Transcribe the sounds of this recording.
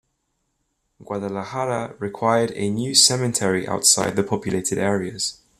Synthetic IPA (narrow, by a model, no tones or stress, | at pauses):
ɡ̥wadəlahaɾəɹɪkʰw̥aɪədə̰njʉːsɛmɪ̃tʰɛɹiʔa̰ʊtsaɪd̪̚ðəpʰɒpʰjəleɪtʰɪdɛːɹiəz̥